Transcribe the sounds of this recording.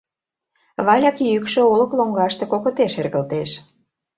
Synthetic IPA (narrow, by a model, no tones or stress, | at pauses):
βɑlʲɑkjykʃø̆olə̆kloŋɡɑʃt̪ĕkokət̪eʃerɣə̆lt̪eʃ